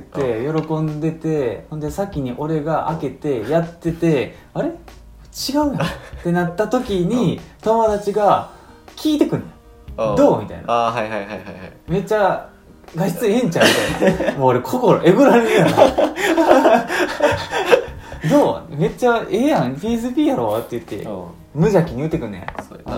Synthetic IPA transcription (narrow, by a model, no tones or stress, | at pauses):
t̪ːe̞jo̞ɾo̞kõ̞nd̪e̞t̪e̞hõ̞nd̪e̞sakʲiɲ̟iʔo̞ɾe̞ɡaʔa̰ke̞t̪e̞jat̪ːe̞t̪e̞ | aɾe̞ | t͡ɕiɡaɯ̟nt̪ːe̞nat̪ːat̪o̞kʲiɲ̟it̪o̞mo̞d̪at͡ɕiɡa | kʲiːt̪e̞kɯ̟̃nː | d̪o̞ːmʲit̪a̰ḭnaaɦajɦajhahajhame̞t͡ɕa | ɡḁt͡sɨẽ̞ɲt͡ɕãnt̪emoːɾekʰokoɾo̰ʔe̞ɡoɾaɾeɾɯjaa | d̪o̞ːme̞t͡ɕaejãŋpʲiːzɨpʲiːjaɾo̞βat̪ːe̞jɯ̟t̪ːe̞̰ | mɯ̟ʑakʲiɲ̟iɯt̪ːekɯ̟nːoja̰